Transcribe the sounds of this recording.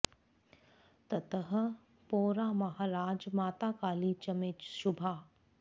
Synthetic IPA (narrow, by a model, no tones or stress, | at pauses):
t̪ɐt̪əɦə | poːɾaːmɐɦaːɾaːd͡ʒmaːt̪aːkaːliːt͡ʃɐmet͡ʃʃʊbʱaː